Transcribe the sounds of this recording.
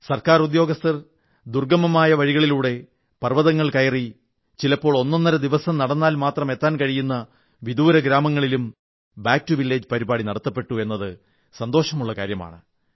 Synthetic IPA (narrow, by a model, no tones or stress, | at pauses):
sɐrkaːrud̪jo̞ːɡɐst̪ɐr | d̪urɡɐmɐmaːjɐʋɐɻiɣɐɭiluːɽe̞ | pɐrʋɐðɐŋːɐɭkɐjɐri | t͡ɕilɐpːo̞ːɭo̞nːonːɐɾɐd̪iʋɐsɐmnɐɽɐnːaːlmaːt̪rɐme̞t̪ːaːnkɐɻijunːɐ | ʋid̪uːɾɐɡɾaːmɐŋːɐɭilum | baːk̚tːuʋilːeːd͡ʑpɐɾibaːɽinɐɽɐt̪ːɐpːe̞ʈːue̞nːɐðɨ | sɐnd̪o̞ːʂɐmuɭːɐkaːɾjɐma̰ːɳɨ